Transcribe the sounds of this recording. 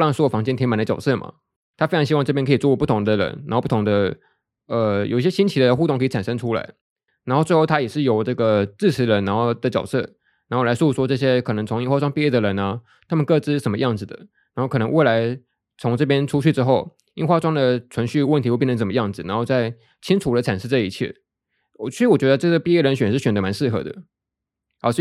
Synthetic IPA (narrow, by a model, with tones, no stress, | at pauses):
lɑ˥˩ŋswɔ˥wfɑ˧˥ŋt͡ɕjɛ˥nt̪ʰɛ˧˥ma˨˩nd̪ə˧t͡ɕɑ˨˩ʊsɤ˥˩mɐ̰˩ | t̪ʰa˥fe˥ɑ˧ŋɕi˥wɑ˥˧ŋʈ͡ʂɤ˥˩pjɛ˥nkʰɤ˧˥i˨˩t͡swɔ˥˧˩wɔ˥pu˥˩t̪ʰʊ˧˥ŋd̪ə˧ɻə̰˧˦˥na˧˥o˥˧pu˥˩t̪ʰʊ˧˥ŋd̪ə˧ | ə˧jo̰˨˩ʊi˥˩ɕjɛ˥ɕi˥nt͡ɕʰi˧˥d̪ə˧xu˥˧o˥˩ŋkɤ˧˥i˨˩a˨˩nʂə˥ŋʈ͡ʂʰu˥la̰˧˥˦ɪ | na˨˧˥nxo˥˧we˥˧xo˥˩t̪ʰa˥jɛ˨˩ʂɻ̩˥˩jo˨˩ʊʈ͡ʂɤ˥˩ɡə˩ʈ͡ʂɻ̩˥˩t͡sʰɻ̩˧˥ɻə˧˥na˧˥nxo˥˩ʊd̪ə˦˩t͡ɕjɑ˨˩ʊsɤ˥˩ | na˧˥xo˥˩la˧˥su˥˩ʂwɔ˥ʈ͡ʂɤ˥˩ɕ̬jɛ˥kʰɤ˨˩nɤ˧˥ŋt͡sʰʊ˧˥ŋi˥˧nxwa˥˩ʈ͡ʂwɑ˥ŋpi˥˧jɛ˥˩d̪ə˩ɻə˧˥nɐ˧ | t̪ʰa˥mə˨nkɤ˥˧ʈ͡ʂɻ̩˥˩ʂə˧˥nmə˧jɑ˥˩ŋd͡zɹ̩˩d̪ə̰˩ | na˧˥nxo˥˩kʰɤ˨˩nɤ˧˥ŋwe˥˩ɪla˧˥ɪ | t͡sʰʊ˧˥ŋʈ͡ʂɤ˥˩p̬jɛ˥nʈ͡ʂʰu˥t͡ɕʰy˥˩ʈ͡ʂɻ̩˥xo˥˩ʊ | i˥nxwa˥˩ʈ͡ʂwɑ˥ŋd̪ə˨t͡sʰwə˧˥nɕy˥˧wə˥˩nt̪ʰi˧wp̬̪ʰə˩mə˧jɑ˥˩ŋd͡zɹ̩˨˩na˧˥nxo˥˧ʊt͡sa˥˩ɪ | t͡ɕʰi˥nʈ͡ʂʰu˧˥d̪ə˧ʈ͡ʂʰa˨˩nʂɻ̩˥˧t͡sa˥˧ɪi˧˥t͡ɕʰjɛ̰˥˩ | t͡ɕɻ̩˧˥wɔ˨˩t͡ɕɥɛ˧˥də˧ʈ͡ʂɤ˥˩ɡə˩pi˥˧jɛ˥˩ɻə˧˥nɕɥɛ˨nʂɻ̩˥˩ɕɥɛ˨˩nd̪ə˧˥ma˧˥nʂɻ̩˥˩xɤ̰˧˥d̪ə̰˨ | a˧˥ʂ̩˥˧